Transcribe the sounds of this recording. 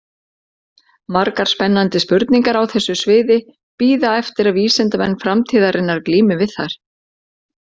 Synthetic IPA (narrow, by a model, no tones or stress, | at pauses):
maɾkaɾ̥spɛnːant̪ɪspʏɾt̪niŋkaɾawθɛsːʏsvɪːðɪ | piːðaɛft̪ɪɾaviːslɛnt̪amɛnːfɾamt̪ʰiːðaɾʔɪnːaɾkliːmɪvɪðθaɾ̥